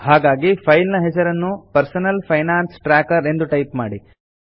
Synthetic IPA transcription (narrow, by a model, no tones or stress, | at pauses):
haːɡaːɡipʰɐjlnɐɦɛsɐɾɐnːupɐɾsɐnɐlpʰɐjnaːnsʈɾaːkɐɾe̞nd̪uʈɐjpmaːɽi